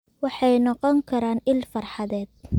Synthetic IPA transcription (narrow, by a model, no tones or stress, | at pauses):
wɑħɑjnɔqɔŋkʰɐɾaːnɪlfɑrħɑðɛːd̪̥̚